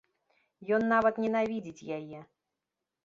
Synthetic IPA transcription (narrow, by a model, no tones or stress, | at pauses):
jɔnːavɐt̪nʲɛnavʲid͡zʲit͡sʲjajɛ